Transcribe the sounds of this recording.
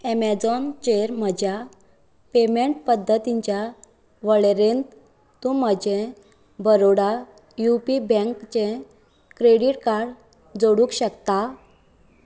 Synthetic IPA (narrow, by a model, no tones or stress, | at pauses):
ɛmɛd͡zɔnt͡ɕeɾm̤əd͡ʑʱja | pemeɳʈ̚pəd̪ʱːət̪iɲt͡ɕja | ʋəɭeɾent̪ | t̪ũməd͡ʑẽ | bəɾoɽa | jupibɛ̃ŋkt͡ɕẽ | kɾeɽiʈkaɾɽ | d͡zoɽũkɕəkt̪a